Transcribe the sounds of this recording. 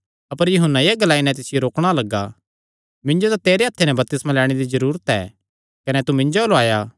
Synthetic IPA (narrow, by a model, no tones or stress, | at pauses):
ɐpəɾjʊɦənːajeɡɐlaːinɛ̃t̪ɪsɪjoɾoːkɽ̃alɐɡːa̰ | mɪ̃ɲd͡ʒod̪at̪eːɾeɐt̪ʰːenɛ̃bɐp̚t̪ɪsmãlɛːɽ̃ed̪izɐɾuːɾət̪ɛ̰ː | kɐnɛt̪umɪ̃ɲd͡ʒolaːjaː